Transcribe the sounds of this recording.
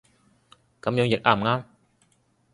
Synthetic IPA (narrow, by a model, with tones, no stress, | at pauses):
ka˨˥˦mjəː˨˥ŋjɛ˨˩k̚ʔaː˨˩mŋaː˧˥m